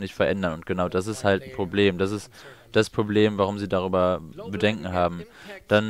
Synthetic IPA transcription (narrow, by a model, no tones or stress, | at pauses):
nɪçtfɛɐʔɛndɐnʊntɡ̥ənaʊdas̬ɪsthaltn̩pʁ̥obleːmdasɪstd̥aspʁ̥obleːmvaʁʊmziːdaʁ̞yːbɐbədɛŋkŋ̩ɦaːbm̩d̥an